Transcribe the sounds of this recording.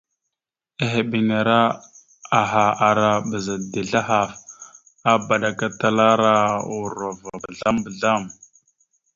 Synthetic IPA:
e˨ɦe˨bi˨na˨ɾa˦ | a˨ɦa˨a˨ɾa˨bə˨za˨di˨ɮa˦ɦa˨f | a˦ba˨ɗa˨ka˦ta˦la˦ɾa˦u˨ɾa˨va˨bə˨ɮa˦mbə˨ɮa˦m

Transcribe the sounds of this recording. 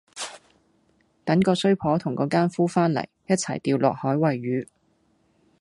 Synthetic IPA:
t̪ɐ˨˥ŋkɔː˧sɵ˥ɥpʰɔː˨˥t̪ʰʊ˨˩ŋkɔː˨˥kaː˥nfuː˥faː˥nlɐ̰˨˩jjɐ˥t̚t͡sʰɐ̰˨˩jt̪iː˧wlɔ̰ː˨k̚hɔː˨˥jwɐ˨jːyː˨˥

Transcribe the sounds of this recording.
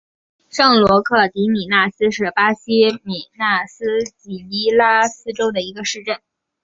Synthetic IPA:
ʂɤ˥˩ŋlwɔ˧˥kʰɤ˥˩t̪i˧˥ni˨˩na˥˩sɹ̩˥ʂɻ̩˥˩pa˥ɕi˥mi˨˩na˥˩sɹ̩˥t͡ɕi˨˩i˥la˥sɹ̩˥ʈ͡ʂo˥ʊd̪ə˨i˧˥ɡə˧ʂɻ̩˥˧ʈ͡ʂə˥˩n

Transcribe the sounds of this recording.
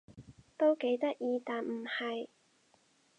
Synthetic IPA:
t̪o˥wke˨˥jt̪ɐ˥k̚jiː˧t̪aː˨nm̩˨˩hɐ˨j

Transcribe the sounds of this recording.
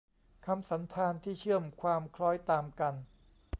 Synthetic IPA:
kʰa˧msa˩˦nt̪ʰaː˧nt̪ʰiː˥˩t͡ɕʰɯ˥˩əmkʰwaː˧mkʰlɔː˦˥jt̪aː˧mka˧n

